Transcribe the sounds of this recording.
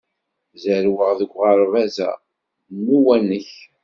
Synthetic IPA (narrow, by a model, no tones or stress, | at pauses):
zəɾwəʁðəɡʷʁəɾvæzæ̰ | nːuwænːəç